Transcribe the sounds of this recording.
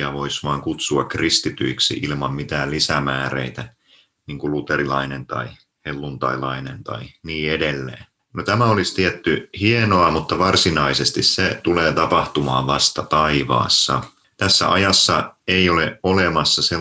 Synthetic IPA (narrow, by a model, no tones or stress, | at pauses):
jɑʋoisʋɑːŋkut̪suɑkrist̪it̪yiksḭʔilmɑmmit̪æːllisæmæːrḛit̪æ | niːŋkulut̪erilɑinent̪ɑ̰i | helːunt̪ɑ̰ilɑinent̪ɑ̰iniːedelːḛː | not̪æmæolist̪iɛt̪ːyhienoɑmut̪ːɑʋɑrsinɑisest̪isset̪uleːt̪ɑpɑht̪umɑ̰ːʋʋɑst̪ɑt̪ɑiʋɑ̰ːsːɑ̰ | t̪æsːæ̰ʔɑ̰jɑsːɑeioleʔolemɑsːɑse